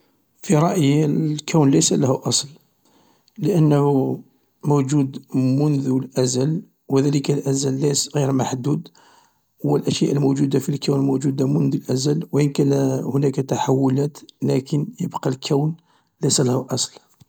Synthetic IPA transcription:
fiɾˤɑʔjlkæwnləjsælæhuʔɑsˤl | ləʔənːəhu | mud͡ʒud̪mʊnd̪ulʔæzæl | wəd̪æləkælʔæzælːæsɣiɾmaħd̪ud̪ | wəlʔæʃjæʔəlmud͡ʒud̪afilkæwnmuʒud̪amʊnd̪əlʔæzælwəʔənkænæhʊnækat̪aħawːʊlæt̪lækʰənjəbqɑlkʰæwn | ləjsælæhuʔɑsˤl

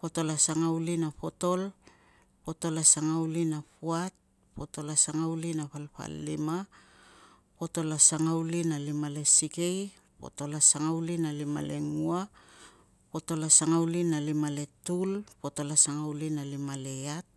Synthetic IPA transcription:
po̞to̞lasaŋawlinapo̞to̞l | po̞to̞lasaŋawlinapuat̚ | po̞to̞lasaŋawlinapalpa̰lːḭma | po̞to̞lasaŋawlinalimale̞sike̞j | po̞̰to̞lasaŋawlinalima̰le̞ŋua | po̞to̞lasaŋawlinalimale̞tulpo̞to̞lasaŋawlinalimale̞at̚

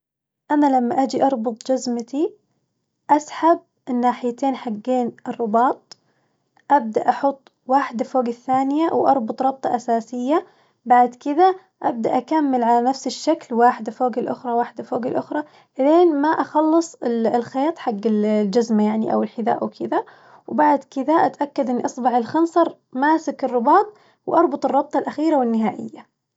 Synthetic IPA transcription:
ʔanalamːaʔad͡ʒiʔɑɾˤbʊt̪ˤd͡ʒazmat̪i | ʔasħab̚ | ʔɪnːaːħɪjat̪eːnħaɡːeːnɨrˤːʊbɑːt̪̚ˤ | ʔab̚d̪aʔɑħʊt̪ˤː | waːħɪd̪afoːɡɪθːaːnɪjawʔɑ̰ɾˤbʊt̪ˤɾˤɑb̚t̪ˤɑʔasaːsɪjːa | baʕd̪kɪða | ʔab̚d̪aʔakamːɪlʕalanafsɪʃːaklwaːħɪd̪afoːɡɪlʔʊ̰xɾˤɑwaːħɪd̪afoːɡɪlʔʊxɾˤɑ | ʔðeːnmaʔɑxɑlːɨsˤɪllxeːt̪ˤħaɡːɪld͡ʒazmajaʕniʔa̰wɪlħɪd̪a̰ːʔawkʰɪd̪a | wbaʕd̪kɪd̪aʔat̪ʔakːad̪ʔɪnːiʔɑsˤbɑʕɪlxɑnsˤɑɾˤ | maːsɪkɪrˤːʊbɑːt̪̚ˤ | wʔɑɾˤbʊt̪ˤɨrˤːɑb̚t̪ˤɑlʔaxiːɾawɪnːɪɦaːʔɪ̰jːa

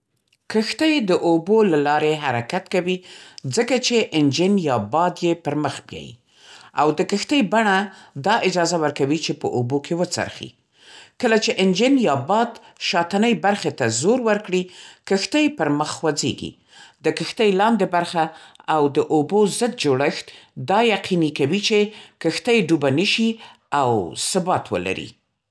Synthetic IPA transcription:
kəxt̪əjd̪əʔobolalɑɾeɦaɾakat̪kawizəkat͡ʃeʔɪnd͡ʒɪnjɑbɑd̪jepəɾməxbjɑ̰jḭ | a̰wd̪əkəxt̪əjbaɳad̪ɑʔɪd͡ʒɑzawəɾkawit͡ʃepə̰ʔobokʰewət͡sa̰ɾxḭ | kəlat͡ʃeʔɪnd͡ʒɪnjɑbɑd̪ | ʃɑt̪anəjbaɾxet̪azoɾwəɾkɽikəxt̪əjpəɾməxwad͡zḛɡḭ | d̪əkəxt̪əjlɑnd̪ebaɾxaawd̪əʔobozəd̪̚d͡ʒoɽəxt̪d̪ɑjaqʰinikawit͡ʃekəxt̪əjɖubanəʃi | awsʊbɑt̪wə̰la̰ɾḭ

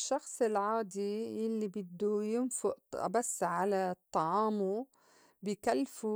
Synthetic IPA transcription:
ʃːɑxsˤɪlʕaːd̪ijalːibɪd̪ːujɪnfʊʔbasːʕalat̪ˤːɑʕɑːmu | bɪkalːfu

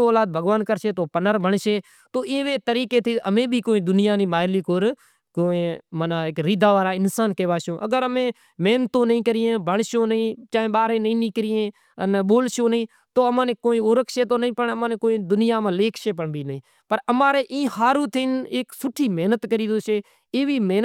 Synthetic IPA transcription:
oːlaːd̪̚bʱəɡʋaːnkəɾʃeːt̪oːpənəɾbʱəɳʃeː | t̪oːʔẽːʋeːt̪əɾiːkeːt̪ʰiːəmẽːbʱiːkoːĩːd̪ʊnɪjaːnĩːmaːjliːkoːɾ | koːẽːmənaːekɾiːd̪aːʋaːɾaːɪnsaːnkeːʋaːʃõːʔə̰ɡəɾəmẽː | meːnt̪õːnəĩːkəɾɪjẽːbʱəɳʃõːnəĩːt͡ʃaːẽːɓaːɾẽːnəĩːnĩːkəɾɪjẽː | ənɓoːlʃõːnĩː | t̪oːəmãːnẽːkoːĩːoːɾəkʃeːt̪oːnəĩːpəɳəmãːnẽːkoːĩːd̪ʊnɪjaːmãːleːkʰʃeːpəɳbiːnɦĩː | pəɾəmaːɾeːʔĩːhaːɾuːt̪ʰɪneːksʊʈʰiːmeːnət̪kəɾiːd̪oːʃeː | eːʋiːmeːn

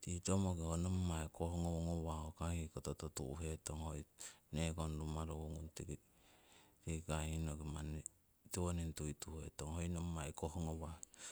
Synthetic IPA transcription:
titomokehonommaekʰohoŋooŋowahokahikotototṵɦetoŋhojnekonɾumaɾouŋunti | tikahinoɡiman | tiwonintujtuhḛtoŋhojnomːajkohoŋowa

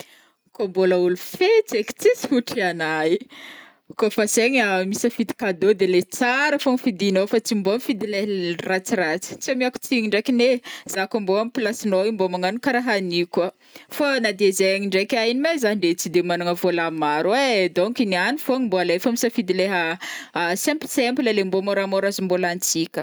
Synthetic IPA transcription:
komboləulufet͡seki̥t͡sisi̥fuʈ͡ʂianaj | kofaseɲamisəfit̪i̥kad̪od̪elet͡saɾəfoŋfid̪inofat͡simboamifid̪ileɦrat͡sirat͡si̥t͡siamiaku̥t͡siŋiɳɖ͡ʐekinez̥akamboamipilasinoimbomaŋanukaɾaɦanikə | fanad̪ezeaŋiɳɖ͡ʐekʲainimazaniɖ͡ʐet͡sid̪emanaŋəvolamaɾed̪oŋkinianifoŋimboalefamisəfid̪ileɦə | sɛmpsɛmpləlembomoɾamoɾazimbolant͡sikʲə

